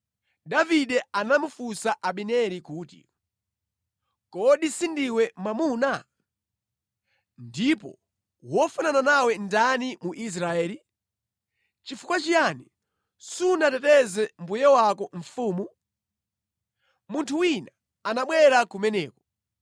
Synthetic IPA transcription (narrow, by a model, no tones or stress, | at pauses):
daviɗɛanamufusaʔaɓinɛɾikuːtḭ | kɔɗisindiwɛmamuːna | ndipɔ̰ | wɔfunananawɛndanimuʔis̬ɾaɛːli | t͡ʃifukwat͡ʃijani | sunatɛtɛzɛm̩bujɛwakɔɱfuːmu | muntʰuwina | anaɓwɛɾakumɛnɛ̰ːkɔ